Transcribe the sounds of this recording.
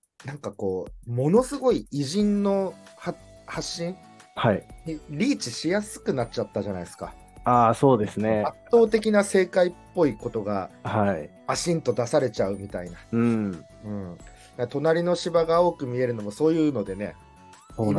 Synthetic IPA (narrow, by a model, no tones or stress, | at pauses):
nãŋkako̞ːmo̞no̞sɨɡo̞iiʑĩnːo̞ha | haɕːĩɴ | haiɲiɾʲiːt͡ɕiɕijasɨ̥kɯ̟nat͡ɕːat̪ːaʑanaisɨ̥ka̰ | aːso̞ːd̪e̞sɨneat̪ːo̞ːt̪e̞kʲinase̞ːkaipːo̞iko̞t̪o̞ɡa̰haimaɕĩnt̪o̞d̪asaɾe̞t͡ɕaɯ̟mʲit̪ainaɯ̃ | ɯ̟̃ɴ | d̪at̪o̞naɾʲino̞ɕibaɡao̞ːkɯ̟mʲie̞ɾɯ̟no̞mo̞so̞ːjɯ̟ːno̞d̪e̞ne̞̰